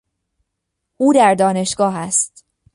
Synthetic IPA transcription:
ʔuːd̪æɾd̪ɒːne̞ʃɡ̥ɒːɦæst̪

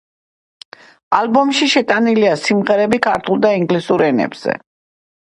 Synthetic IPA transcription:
albɔmʃiʃɛt̪ʼaniliasimʁɛɾɛbikʰaɾt̪ʰulˠd̪aiŋɡlisuɾɛnɛ̰bz̥ɛ̰

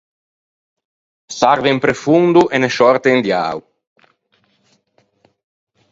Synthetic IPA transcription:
saɾvempɾefund̪uʔeneʃɔɾt̪end̪ja̰ːw

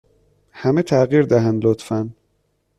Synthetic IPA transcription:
hæmet̪ʰæɣiːɾd̪æɦænd̪lot̪fæn

